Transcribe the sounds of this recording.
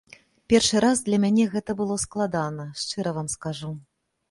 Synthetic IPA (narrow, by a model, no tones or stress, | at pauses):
pʲɛrʂɨɾazd̪lʲɐmʲanʲɛɣɛt̪ɐbɨlˠɔsklˠad̪anɐʂt͡ʂɨɾɐvamskaʐu